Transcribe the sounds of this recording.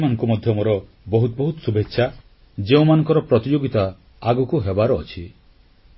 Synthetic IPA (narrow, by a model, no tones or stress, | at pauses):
manɔŋkumɔd̪ʱjɔmɔɾɔ | bɔɦut̪̚bɔɦut̪ɔsubʱetːʃʰa | d͡ʒeũmanɔ̃ŋkɔɾɔpɾɔt̪id͡ʒoɡit̪a | aɡɔkuɦebaɾɔ̰ːt͡ʃʰi